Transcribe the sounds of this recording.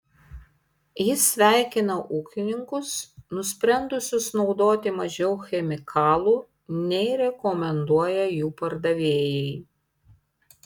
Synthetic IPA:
jɪsːʲʋʲæˑɪkʲɪnɐʔuːkʲɪnʲɪŋkʊsnʊsʲpʲɾʲɛnd̪ʊsʲʊsnɒʊd̪oːt̪ʲɪmɐʒʲɛʊxʲɛmʲɪkʰɑːlˠuː | nʲɛɪɾʲɛkɔmʲɛnd̪uɔjɛjuːpɐɾd̪ɐʋʲeːjɛɪ

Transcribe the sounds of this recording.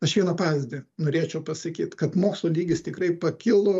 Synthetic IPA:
ɐʃʋʲiɛnɐpɑːʋʲɪzzʲd̪ʲɪnoːɾʲeːt͡ʃʲɛʊpɐsɐkʲiːt̪kɐt̪moːkslˠoːlʲiːɡʲɪst̪ʲɪkɾɐɪpɐkʲɪlˠʊ

